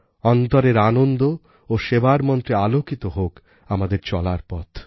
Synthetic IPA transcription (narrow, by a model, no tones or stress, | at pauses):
ɔnt̪ɔɾeɾanond̪o | oʃebaɾmɔnt̪ɾealokit̪oɦok | amad̪eɾt͡ɕɔlaɾpɔ̰t̪ʰ